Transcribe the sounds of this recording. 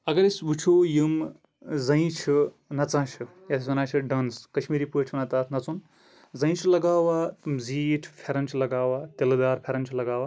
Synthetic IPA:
ɐɡɐɾisʋut͡ʃʰujim | zɐ̃ĩt͡ʃʰi | nɐt͡sãːt͡ʃʰi | jat̪ʰisʋɐnaːt͡ʃʰiɖɐnskɐʃmiːɾiːput͡ʃʰʋɐnaːt̪aːt̪ʰnɐt͡sun | zɐ̃ĩt͡ʃʰulɐɡaːwaːt̪ziːʈʰpʰeɾɐnt͡ʃʰilɐɡaːwaːt̪ʲelɐd̪aːɾpʰeɾɐnt͡ʃʰilɐɡaːʋaː

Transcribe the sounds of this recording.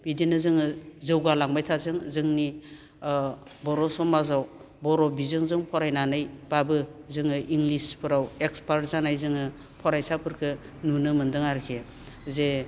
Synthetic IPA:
bidinɯzɯŋɯzɯwɡalaŋbajtʰazɯŋzɯŋni | bɔɾɔsɔmazaw | bɔɾɔbizɯŋzɯŋpʰɔɾajnanɯjb̥abɯzɯŋɯʔiŋɡlispʰɯɾawekspaɾtzanajzɯŋɯ | pʰɔɾajsapʰɯɾkʰɯ | nunɯmɯndɯŋaɾkʰe | ze

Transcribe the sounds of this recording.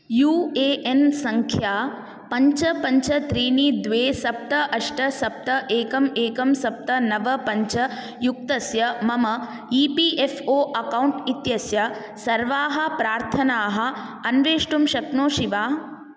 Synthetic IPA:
juːeːʔensɐŋkʰjaː | pɐɲt͡ʃɐpɐɲt͡ʃɐt̪ɾiːniːd̪ʋeːsɐp̚t̪ɐʔɐʂʈɐsɐp̚t̪ɐʔeːkɐmeːkɐmsɐp̚t̪ɐnɐʋɐpɐɲt͡ʃɐ | juk̚t̪ɐsjɐmɐmɐ | iːpiːʔefʰoːʔɐkɐwɳʈit̪jɐsjɐ | sɐɾʋaːɦɐ̆pɾaːɾt̪ʰɐnaːɦɐ̆ɐnʋeːʂʈumʃɐknoːʃiʋaː

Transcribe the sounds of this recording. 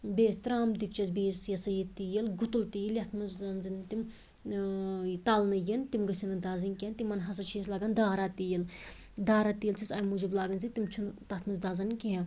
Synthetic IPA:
beːst̪ɾaːmd̪ik̚t͡ʃʰɐsbeːsjɐsɐjit̪ijɐlɡut̪ult̪ijiljɐt̪ʰmɐzɐnzɨnt̪im | t̪ɐlnɐjint̪imɡɐsʲinɐd̪aːzɐnʲkʲeɦɐnt̪imːɐnɦɐs̬ɐt͡ʃʰiɐslaːɡɐnd̪aːɾat̪ijɐl | d̪aːɾat̪ijlt͡ʃʰisɐːjmud͡ʒiblaːɡɐnzit̪imt͡ʃʰunt̪ɐt̪ʰmɐzd̪aːzɐnkeɦɐ

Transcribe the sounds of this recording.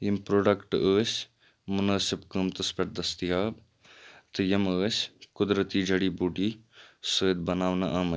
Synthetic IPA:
jimpɾoːɖɐkʈəːsʲ | mʊnaːsɪbkəmt̪ɐspɐʈ̚d̪ɐst̪ijaːb | t̪ɨjɐməːsʲkʊd̪ɾət̪iːd͡ʒʱɐɽiːbuːʈiːsəːd̪bɐnaːʋna̰ʔaːmə

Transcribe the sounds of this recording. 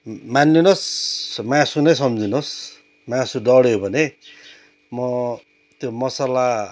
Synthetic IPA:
manːinosmasunʌjsʌmd͡zinos | mãsudʌɽjobʱʌne | mʌ | t̪jomʌsala

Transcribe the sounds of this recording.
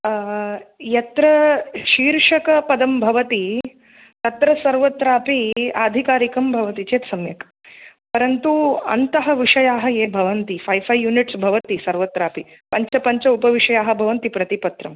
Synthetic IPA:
jɐt̪ɾɐʃiːɾʂɐkɐpɐd̪ɐmbʱɐʋɐt̪i | t̪ɐt̪ɾɐsɐɾʋɐt̪ɾaːpiaːd̪ʱikaːɾikɐmbʱɐʋɐt̪it͡ʃeːt̪sɐmjɐkɐ | pɐɾɐnt̪uɐ̰nt̪ɐɦɐʋiʂɐjaːɦɐjeːbʱɐʋɐnt̪ifʰɐjfʰɐjjuːniʈsbʱɐʋɐt̪isɐɾʋɐt̪ɾaːpi | pɐɲt͡ʃɐpɐɲt͡ʃɐupɐʋiʂɐjaːɦɐbʱɐʋɐnt̪ipɾɐt̪ipɐt̪ɾɐm

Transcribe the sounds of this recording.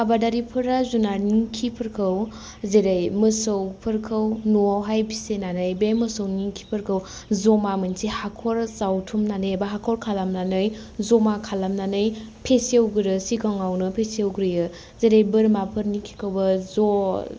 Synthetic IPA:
abadaɾipʰɯɾazunaniŋkʰipʰɯɾkʰɯw | zeɾajmɯsɯwpʰɯɾkʰɯwnoɦajbʰisenanɯjbemɯsowniŋkʰi̥pʰɯɾkʰɯw | zomamɯnsʰihakʰɔɾsawtʰumnanɯbaɦakʰɔɾkʰalamnanɯj | zomakʰalamnanɯjpʰesiewɡɯɾɯsikʰɔŋawnɯpʰesiewɡɾɯjɯ | zeɾejbɯɾmapʰɯɾniŋkʰi̥kʰɯwbɐzo

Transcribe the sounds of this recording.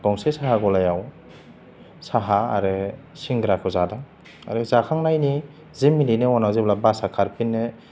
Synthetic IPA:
b̥ɔŋsesaɦaɡɔlajaw | saɦa̰ːɾɯsiŋɡɾakʰɯzada | a̰ɾɯzakʰaŋnajni | zimːilinɯɔnawziblabasakʰaɾpinːɯ

